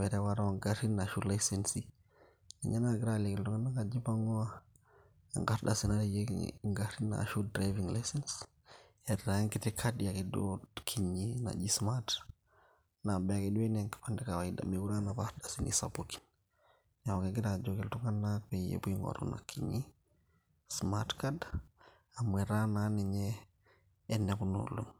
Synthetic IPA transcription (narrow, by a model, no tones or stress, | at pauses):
wɛɾɛwaɾaaŋɡaɾinːaʃulajsensi | nḭɲanaɡiɾalekiltuŋɡanaŋad͡ʒibaŋɔa | a̰ŋɡaɾdasinadijḛŋɡaɾina̰ʃudɾaviŋlajsɛns | ɛɾaŋkitikʰadiakidokʰiɲina̰d͡ʒismat | nabɛakiɗuɛneŋki̥pandɛkawaida̰mekuɾanapaɾdasinʔḭsapuki̥n | awakeɡiɾad͡ʒokɛltuŋanːapɛjḛbuiŋɡo̰ɾṵna̰kʰiɲi | smatkad | amɛɾananiɲɛː | nːɛkuno̰lun